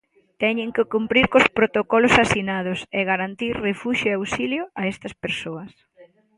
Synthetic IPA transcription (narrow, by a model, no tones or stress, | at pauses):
t̪ɛɲɪ̃ŋkɪkumpɾiɾkospɾot̪okɔlʊsasinað̞ʊseɣaɾant̪iɾrefuʃʊeawsiljoaɛst̪ɐspeɾsoɐs